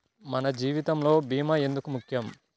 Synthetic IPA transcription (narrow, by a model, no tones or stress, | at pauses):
mɐnɐd͡ʒiːʋit̪ɐmlo̞ːbiːmɐe̞nd̪ukumukʰjɐm